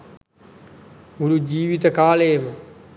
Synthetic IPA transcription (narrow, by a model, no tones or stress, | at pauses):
uɽud͡ʑiːʋit̪əkaːləjmə